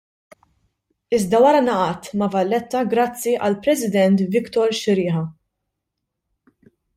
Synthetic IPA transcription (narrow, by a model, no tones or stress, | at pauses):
ɪzd̪ɐwɐɾɐnɐʔɐt̪mɐvɐlːɛt̪ːɐɡɾɐt͡sːiʔɐlpɾɛsɪd̪ɛnt̪vɪkt̪ɔɾʃɪɾɪːħɐ